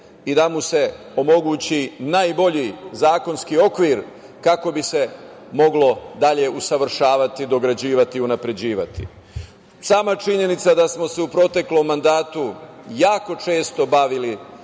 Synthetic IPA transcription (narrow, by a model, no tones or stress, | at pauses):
id̪amuse̞ | o̞mo̞ɡuːt͡ɕinaːjbo̞ʎizaːko̞nskio̞kʋiːɾ | kako̞bise̞mo̞ɡlo̞d̪aʎe̞usaʋr̩ʃaːʋat̪id̪o̞ɡɾad͡ʑiːʋat̪iunapɾe̞d͡ʑiːʋat̪ḭ | saːmat͡ʃiɲe̞nit̪sad̪asmo̞se̞upɾo̞t̪e̞klo̞mːand̪aːt̪ujaːko̞t͡ʃe̞ːst̪o̞baʋili